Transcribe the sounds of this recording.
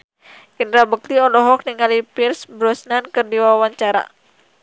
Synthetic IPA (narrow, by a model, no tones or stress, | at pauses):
ɡ̥əndɾabək̚t̪iɔlɔɦɔk̚niŋalipirsbɾɔsnankərdiwawaɲt͡ʃaɾa̰